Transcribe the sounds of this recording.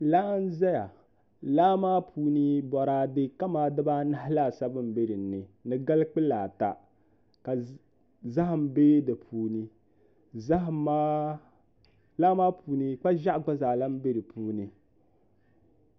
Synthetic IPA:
laː˦n˦za˦ja˨ | laː˦maː˦pʰuː˦ni˦bɔ˨ɾaː˦dɨ˦ka˦maː˨˦dɨ˦baː˦na˦ɦɪ˦la˦˨sa˦bɨ˦m̩˨be˦ɾi˨n̩ː˨ɨ˨nɨ˨ɡa˦lk͡pɨ˦laː˨ta̰˨ | ka˨ | za˦ɦa˨m̩˨be˦dɨ˨pʰuː˨˦ni˦ | za˦ɦma˦ | laː˦maː˦pʰuː˦ni˦k͡pa˦ʒa˦ʔɡ͡ba˦za˨la˦m˦be˦ɾi˨pʰuː˦nɨ˨

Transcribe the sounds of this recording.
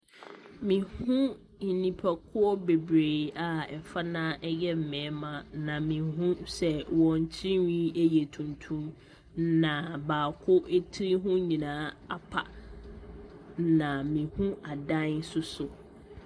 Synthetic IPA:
mĩ˨hũ˦ | i˨nĩ˨pʰɛ˨kʰʊ˦ɔ˦be˨bɾe˨a˨ɛ˨fa˦nãː˦ʔɛ˦jɛ˦m̩˨mɛ̃˨˦mã˨nã˨mĩ˨ɦũ˦sɛ˨wɔ̃˨ɲ̩˨t͡ɕʰi˦wĩ˦e˦jɛ˨tʰũ˨ntʰũ˦m | nã˨baː˨kʰʊ˦ʔe˦tʰi˦ɾi˦ɦũ˦ɲĩ˨nãː˦a˦pʰa̰˨ | nã˨mĩ˨hũ˦ʔa˨dã˦sʊ˦sʊ˨

